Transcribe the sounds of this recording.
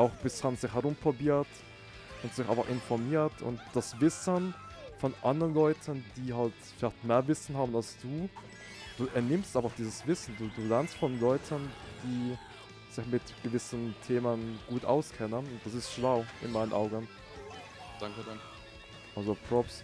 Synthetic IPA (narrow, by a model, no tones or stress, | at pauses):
ʔaʊxb̥ɪsthanz̥ɪçhɛʁʊmpʁ̥obiːɐt | ʔʊntz̥ɪçʔaɪnfaχɪnfɔmiːɐtʰʊ̰ntd̥asvɪsən | fɔnʔandəʁənlɔʏtʰənd̥iːɦaltfɪlaɪçtmeːɐvɪsn̩hɦaːbn̩alsd̥uː | d̥uːʔɛɐnɪmstʔaɪnfaχd̥iːzəsv̥ɪsn̩duːduːlɛɐnstfɔnlɔʏtʰənd̥iː | z̥ɪçmɪtɡ̥əvɪsəntʰeːmənɡ̥uːtʔa̰ʊskʰɛnənʊnt̚d̥asɪstʃlaʊʔɪ̰nmaɪnənʔa̰ʊɡən̩ | d̥aŋkn | ʔalzopʁ̥ɔps